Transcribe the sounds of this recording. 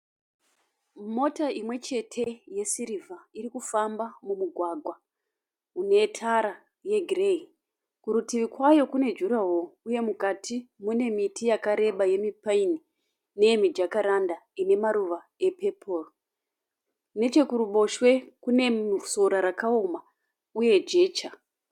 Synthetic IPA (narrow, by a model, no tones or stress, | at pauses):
mo̞taimwe̞t͡ʃe̞tʰe̞je̞siɾivʱaiɾikufambamumuɡʱwaɡʱwa | une̞tʰaɾa | je̞ɡʱrei | kuɾutiʋikwajo̞kune̞d͡ʒuɾawouje̞mukatʰimune̞mitijakaɾe̞ɓaje̞mipaini | ne̞emid͡ʒakaɾandaine̞maɾuʋa | e̞pepʰor | ne̞t͡ʃe̞kuɾuɓo̞ʃwe̞kune̞soɾaɾakaoma | uje̞d͡ʒe̞ːt͡ʃa